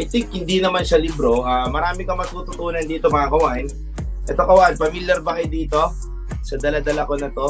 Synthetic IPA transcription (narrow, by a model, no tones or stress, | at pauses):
ʔajt̪ɪŋk̚hɪnd̪inɐmanʃɐlɪbɾo̞ʔamɐɾaːmɪkɐmɐɡ̚t̪uːt̪ʊt̪uːnɐnd̪iːt̪o̞mɐŋakɐwan | ʔɛt̪okɐwanpɐmiljɐɾbɐkɪd̪iːt̪o̞ | sɐd̪ɐlad̪ɐlako̞nɐt̪o̞